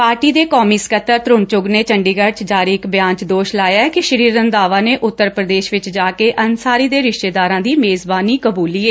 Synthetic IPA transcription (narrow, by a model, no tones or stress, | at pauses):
paːɾʈiːd̪eːkɔːmiːskət̪ːəɾt̪ɾʊnt͡ʃʊɡneːt͡ʃəɳɖiːɡəɾt͡ʃd͡ʒaːɾiːɪkbɪjãːɲt͡ʃd̪oːʃlaːjaːɛkɪʃəɾiːɾənd̪aːʋaːneːʔʊt̪ːəɾpɾəd̪eːʃʋɪt͡ʃd͡ʒaːkeːʔənsaːɾiːd̪eːɾɪʃʈeːd̪aːɾãːd̪iːmeːzbaːniːkəbuːlːiːeː